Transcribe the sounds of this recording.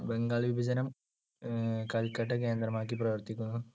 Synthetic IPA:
beŋɡaːɭʋibʱɐd͡ʑɐnɐm | kɐlkɐʈːɐke̞ːnd̪ɾrɐmaːk̬ːiprɐʋɐrt̪ikʲːunːɐðɨ

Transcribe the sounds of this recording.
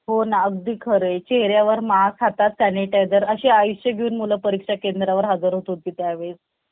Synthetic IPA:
ɦonaəɡ̚d̪iːkʰəɾet͡ɕeɦɾjaʋəɾmasɦat̪at̪saneʈajd̪əɾəɕeajuɕəɡʱeuːnmuləpəɾikʂakend̪ɾaʋəɾɦad͡zəɾɦot̪ot̪̚kit̪jaːʋed͡z

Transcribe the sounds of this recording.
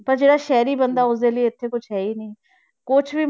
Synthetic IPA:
pəɾd͡ʒeːɽaːʃɛːɾiːbənd̪aːʊsd̪eːləiɪt̪ʰːeːkʊt͡ʃʰɦɛːiːnĩː | kʊt͡ʃʰʋiː

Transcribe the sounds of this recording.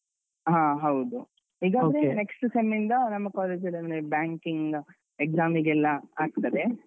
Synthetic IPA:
ɦãːɦɐwd̪u | ɦiːɡaːdɐɾene̞ksʈusemind̪ɐnɐmːɐkaːle̞ːd͡ʒɐlːɐmebjaːŋkiŋɡ | ekzaːmiɡɛlːɐaːɡ̚t̪ɐd̪e̞

